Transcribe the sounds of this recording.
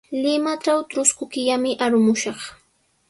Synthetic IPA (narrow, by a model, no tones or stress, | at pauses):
lɪmaʈ͡ʂawt̪ɾʊskʊkɪʎamɪʔaɾʊmʊʃɑχ